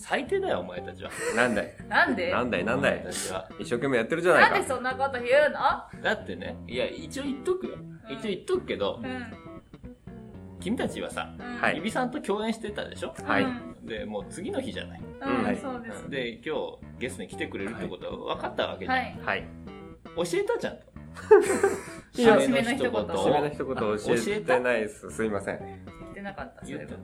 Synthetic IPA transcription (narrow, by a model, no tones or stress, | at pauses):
sait̪e̞ːd̪ajoːmae̞t̪at͡ɕiβa̰nãnd̪anãnd̪enãnd̪anãnd̪at̪at͡ɕiβa̰ | iɕːo̞ːkemːe̞jat̪ːeɾɯ̟d͡ʑanaikaesõnːakot̪oɯnod̪at̪ːe̞nḛijait͡ɕio̞it̪ːokɯ̟joit͡ɕioit̪ːokɯ̟ke̞d̪o̞ | kʲimʲit̪at͡ɕiβa̰sa̰haiibʲisãnt̪o̞kʲo̞ːẽɕi̥t̪e̞t̪ːa̰d̪e̞̰ɕo̞haid̪e̞mo̞ːt͡sɨɡʲino̞çiʑa̰na̰ĩoːd̪ẽd̪e̞kʲo̞ːɡe̞st̪oɲikʲi̥t̪e̞kɯ̟ɾe̞ɾɯ̟t̪ːeko̞t̪o̞a̰aβa̰kat̪ːaβa̰keahai | oɕie̞t̪at͡ɕã̰nt̪o̥ | ɕimenç̪içt̪okot̪oenoçi̥t̪okot̪oɕeɕiet̪naisɨsɨimasḛ̃i̥t̪enakat̪ːajɯe